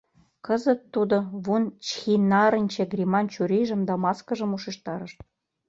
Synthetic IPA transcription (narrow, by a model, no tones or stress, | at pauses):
kɤ̆zə̆t̪ːud̪oβunt͡ɕxʲinɑɾə̆nʲt͡ɕĕɡrʲimɑnt͡ɕuɾʲiʒə̆md̪ɑmɑskɤ̆ʒɤ̆muʃĕʃt̪ɑɾə̆ʃt̪̚